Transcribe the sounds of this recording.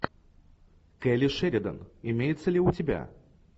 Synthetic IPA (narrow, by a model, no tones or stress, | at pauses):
kɛlʲɪʂɛɾʲɪd̪ə̰nɪmʲejɪt̪səlʲɪʊtʲɪbʲa̰